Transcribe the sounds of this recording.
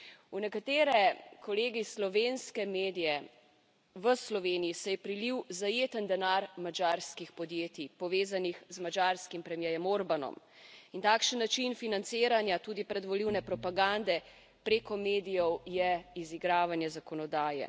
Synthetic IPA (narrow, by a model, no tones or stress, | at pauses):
unɛkat̪eːɾɛkɔleːɡislɔʋenskɛmeːd̪ijɛ | ʋəslɔʋeːnijisɛjɛpɾiliwzajeːt̪ənd̪ɛnaɾmad͡ʒaɾskixpɔd̪jeːt̪ipɔʋeːzanixzmad͡ʒaɾskimpɾɛmjɛjɛmoɾbanɔ̰m | int̪aːkʃənːat͡ʃinfinant̪siːɾanjat̪ud̪ipɾɛd̪ʋɔliwnɛpɾɔpaɡand̪ɛ | pɾekɔmeːd̪ijɔwjɛiziɡɾaːʋanjɛzakɔnɔd̪aːjɛ̰